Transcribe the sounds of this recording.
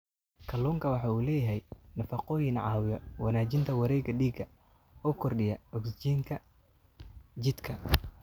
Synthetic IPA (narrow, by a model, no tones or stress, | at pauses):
kʰɐluːŋkʰɐwɑħɑːuːlɛːjɐɦɛjnɐfɑqɔːjɪnʕɑːwɪjɔwɑnaːt͡ʃɪnt̪ʰɐwɑɾɛjɡɐɖiːɡɐ | ɔːkʰɔrɖɪjɐɔkst͡ʃiːŋkʰɐ | t͡ʃɪd̪kʰɐ